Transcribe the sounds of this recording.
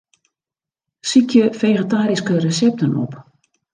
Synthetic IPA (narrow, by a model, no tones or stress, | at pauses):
sikʰjəfejχətaːɾiskərəsɛp̚tənɔ̰p